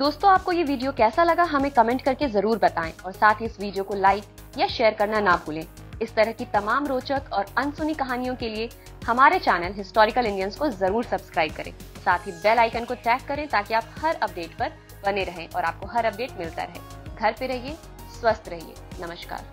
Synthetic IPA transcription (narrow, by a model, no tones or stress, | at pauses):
d̪oːst̪õaːp̚kojeʋiːɖijokɛːsalɐɡaɦɐmẽkɐmɛ̃ːɳʈ̚kɐɾkezɐɾuːɾbɐt̪aːḛ̃ɔːɾsaːt̪ʰɦiɪsʋiːɖijokolaːɪk | jaʃeːəɾkɐɾnanabʱuːlẽː | ɪst̪ɐɾəɦkit̪ɐmaːmɾoːt͡ʃək̪ɔːɾɐnsʊnikɐɦaːnijõkelie | hɐmaːɾet͡ʃɛːnəlɦɪsʈɔːɾɪkəlɪ̃ɳɖjənskozɐɾuːɾsɐbskɾaːɪb̚kɐɾʔḛ̃ː | saːt̪ʰibɛːlaːɪkənkoʈɛːkːɐɾẽt̪aːkiaːphɐɾɐp̚ɖeːʈpɐɾ | bɐneɾɐɦẽʔɔ̰ːɾa̰ːp̚koɦɐɾɐp̚ɖeːʈ̚mɪlt̪a̰ɾɐɦḛ̃ː | ɡʱɐɾpeɾɐɦie | swɐst̪ʰɾɐɦḭḛːnɐməʃka̰ːɾ